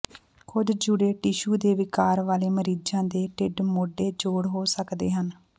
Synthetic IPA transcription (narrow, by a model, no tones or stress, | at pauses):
kʊd̪d͡ʒʊɽeːʈɪʃuːd̪eːʋɪkaːɾʋaːleːməɾiːd͡ʒãːd̪eːʈɪɖmoɖeːd͡ʒoːɽɦoːsəkd̪eːɦən